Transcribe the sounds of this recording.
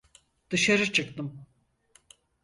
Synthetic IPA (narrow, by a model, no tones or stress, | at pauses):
d̪̥ɯʃaɾɯt͡ʃʰɯkt̪ɯm